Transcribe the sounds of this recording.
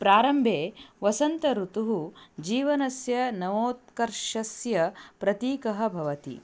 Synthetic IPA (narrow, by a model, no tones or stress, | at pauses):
pɾaːɾɐmbʱeːʋɐsɐnt̪ɐɾut̪uɦud͡ʒiːʋɐnɐsjɐnɐʋoːt̪̚kɐɾʃɐsjɐpɾɐt̪iːkɐɦɐ̆bʱɐʋɐt̪ḭ